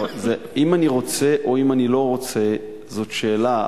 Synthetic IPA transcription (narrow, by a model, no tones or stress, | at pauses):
ze | imaniʁo̞t͡se̞ʔo̞imanilo̞ʁo̞t͡se̞ | zo̞tʃe̞ːla